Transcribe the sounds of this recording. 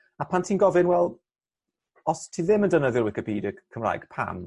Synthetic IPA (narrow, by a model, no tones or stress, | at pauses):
apʰantʰiːnɡɔvɪnwɛlˠ | ɔstʰiːðɪməndənəðjʊlˠwɪkɪpʰiːdəkʰəmra̰jɡ̥pʰa̰n